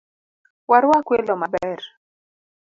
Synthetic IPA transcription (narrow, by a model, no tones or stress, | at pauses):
waɾwakwelɔmabɛr